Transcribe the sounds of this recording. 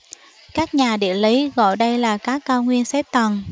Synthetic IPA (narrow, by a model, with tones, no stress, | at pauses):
kaː˦˥k̚ɲaː˨˩ɗḭ˧˨əli˨˦ɣɔ̰˧˨jɗə˧jlaː˨˩kaː˦˥kːaː˧wŋwi˧ənsɛ˦˥p̚t̪ə˨˩n